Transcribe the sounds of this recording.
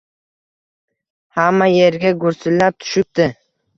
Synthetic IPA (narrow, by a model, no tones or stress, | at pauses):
hamːajeɾɡʲaɡʊɾsɪlːap̚t̪ʰʊ̥ʃɪp̚t̪ɪ